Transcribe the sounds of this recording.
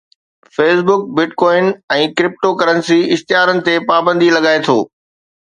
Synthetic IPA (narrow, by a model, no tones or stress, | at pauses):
feːsbʊk̚bɪʈkɔːɪnɛ̃ːkɾɪp̚ʈokɐɾənɪ̆siɪxt̪ɪjaːɾənɪ̆t̪epaːbə̃nd̪ʱilɐɡaːet̪ʰo̰ː